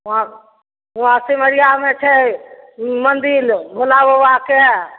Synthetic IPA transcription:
ã | ɦuɦãsiməɾijamet͡ʃʰɛ | mənd̪ilbʱolabɛake

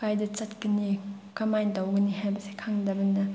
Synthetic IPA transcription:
kajdɐt͡ʃɐt̚kɐnikɐmajndawɡɐnihajbɐse̥kʰaŋdɐbɐnɐ

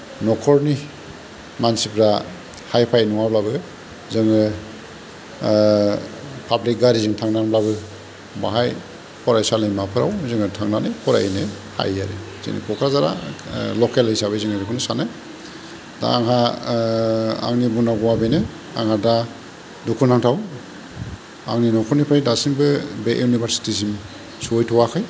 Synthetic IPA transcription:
nɔkʰɔɾni | mansipʰɾa | hajpʰajnɔŋablabɯ | zɯŋɯ | pʰablik̚ɡaɾizɯŋtʰaŋnaŋblabɯ | ba̰ɦaj | pʰɔɾajsalimapʰɯɾa̰wzɯŋɯtʰaŋnanijpʰɔɾa̰ine | ha̰jaɾḭ | z̥ḭnḭkʰɔkʰɾazaɾa̰lɔkelisaβɯziŋɯɾikʰɔnɯsanɯ | da̰ːŋɦa | a̰ŋnibunaɡɔwabejnɯ | aŋhada | dukʰunaŋtʰaw | a̰ŋninɔkʰɔɾnipʰajdasiŋbɯbeʔjunibʰaɾsi̥tizim | sujtʰɔwakʰɯj

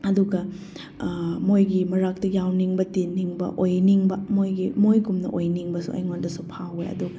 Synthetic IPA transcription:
ɐduɡɐ | mojɡimɐɾak̚tɐjawniŋbɐtiniŋbɐ̰ʔojniŋbɐmojɡimojɡumnɐ̰ʔojniŋbɐsṵʔɐ̰jŋondɐsupʰawejɐ̰duɡɐ

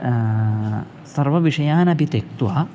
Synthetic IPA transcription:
sɐɾʋɐʋiʂɐjaːnɐpit̪ek̚t̪uʋa

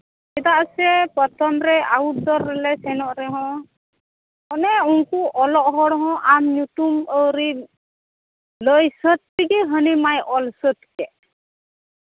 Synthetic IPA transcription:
ɛd̪aʔsɛpɔt̪ʰɔmɾɛaut̚d̪ɔɾːɛlɛsɛnɔʔɾɛɦɔ̃ | ɔnɛunkuʔɔlɔʔɦɔɽɦɔ̃ʔamɲut̪uməwɾi | ləjsət̪̚tiɡɛɦənimajʔɔlsət̪kɛʔ

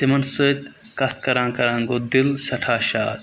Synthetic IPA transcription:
t̪imɐnsut̪ | kɐt̪ʰkɐɾãːkɐɾãːŋɡoːd̪ilsɐʈʰaːʃa̰ːɾ

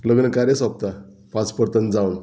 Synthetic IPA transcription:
ləɡnəkaɾjəsap̚t̪a | pãt͡spəɾt̪ənd͡zawn

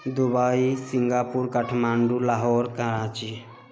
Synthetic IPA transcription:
d̪ubaisiŋɡapuɾkəʈʰmaɳɖulaɦɔɾkãɾat͡ʃi

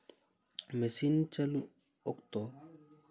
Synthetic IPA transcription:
mesint͡ʃɐlu | okt̪ɔ

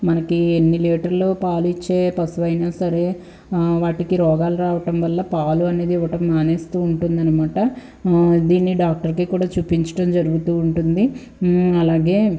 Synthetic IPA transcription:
mɐnɐkienːileːʈɐɾloːpaːlit͡ʃːe̞ːpɐsuʋɐjnaːsɐɾe̞ː | ʋaːʈikiɾɔːɡaːluɾaːʋɐʈɐmʋɐlːɐpaːluɐne̞ːd̪iiʋɐʈɐmːaːneːst̪uːuɳʈund̪ɐnimaːʈɐ | d̪iːnːiɖaːk̚ʈɐɾkikuːɽaːt͡ʃuːpiɲt͡ʃɐ̥ʈɐmd͡ʒɐɾuɡut̪uːɳʈund̪i | ɐlaːɡe̞ː

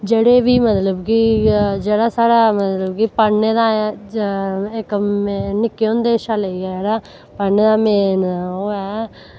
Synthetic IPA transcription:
d͡ʒeːɽeːʋiːmət̪ləbkid͡ʒeːɽaːsaːɽaːmət̪ləbkiːpəɽneːd̪aː | ɪkːnɪkːeːõːnd̪eːʃaːleiɛːd͡ʒeːɽaː | pəɽneːd̪aːmeːnoːɛː

